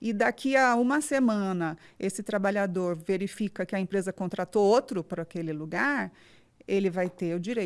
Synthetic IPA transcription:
ɪd̪akʰiɐũmɐsemɐ̃nɐ | esɪt̪ɾabaʎad̪oɾveɾifikɐkɪɐẽmpɾezɐkõnt̪ɾat̪oot̪ɾʊpɾɐakelɪluɡaɾ | elɪvajt̪eʊd͡ʒiɾej

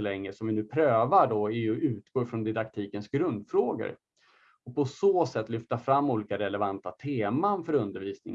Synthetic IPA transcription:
lɛŋːəsɔmvɪnʉ̟ːpʰɾøːvaɖɔɛɾjɵʉ̟ːt̪ɡoːɾfɾɔnd̪ɪd̪akt̪ʰiːkənsɡɾɵnd̪fɾoːɡə̰ɾ | ɔpʰɔsoːsɛt̪ːlʏft̪afɾamːuːliːkaɾɛlɛvant̪at̪ʰeːmanfœɾɵnd̪əɾviːsnɪŋ

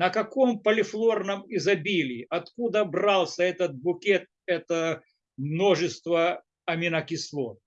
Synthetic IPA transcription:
nəkɐkompəlʲɪflˠo̞rnəmɪzɐbʲilʲɪːɐt̪kud̪əbralˠsʲəɛt̪ət̪̚bʊkʲet̪̚ɛt̪ə | mno̞ʐɨst̪və | ɐmʲɪnɐkʲɪslˠo

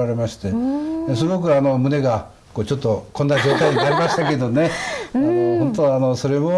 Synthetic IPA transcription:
aɾe̞maɕi̥t̪e̞s̬ɨɡo̞k̬ɯ̟ano̞mɯ̟ne̞ɡa | ko̞ːt͡ɕo̞t̪ːo̞kõ̞nːad͡ʑo̞ːt̪aiɲinaɾʲimaɕi̥t̪ake̞d̪o̞ne̞aohõ̞nt̪̬oano̞so̞ɾe̞mo̞

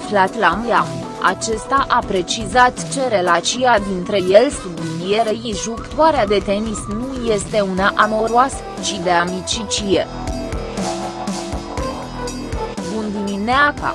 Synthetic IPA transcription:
flat̪lamjam | a̰t͡ʃe̞st̪aʔapɾe̞t͡ʃizat̪t͡ʃe̞ɾe̞lat͡ʃiad̪int̪ɾe̞je̞lsud̪iijeɾəiʒukt̪uaɾead̪e̞t̪e̞nisnuje̞st̪e̞unaʔamo̞ɾwasə | t͡ʃid̪e̞amit͡ʃit͡ʃije | vund̪imineaka̰

